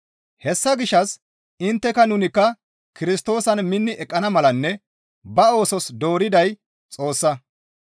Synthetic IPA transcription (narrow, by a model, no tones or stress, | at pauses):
hɛsːɐɡɪʃːɐs | ɪnt̪ːɛkɐnʊnɪkːɐ | kɪɾɪst̪o̞ːsɐnmɪnːɪʔɛkʼːɐnɐmɐlɐnːɛ | bɐo̞ːsɔsd̪o̞ːɾɪd̪ɐj | t͡sʼo̞ːsːɐ